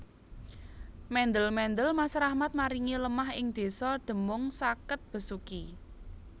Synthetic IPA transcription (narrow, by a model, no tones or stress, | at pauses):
mɛnd̪əlmɛnd̪əlmasɾahmat̪̚maɾiŋiləmaɦɪŋd̪̥e̤sɔd̪̥ə̤mʊŋsakət̪̚b̥ə̤suki